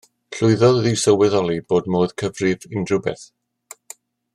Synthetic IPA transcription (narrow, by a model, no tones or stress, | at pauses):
ɬʊɨðɔððɪwsəwɛðɔlˠiboːdmoːð̥kʰəvrɪvɪndrʊbɛ̰θ